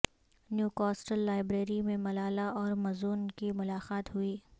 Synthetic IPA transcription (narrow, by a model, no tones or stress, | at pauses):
njuːkɔːsʈəlːaːɪbɾeːɾimẽmɐlaːlaɔːɾmɐzuːnkimʊlaːqaːt̪ɦʊiː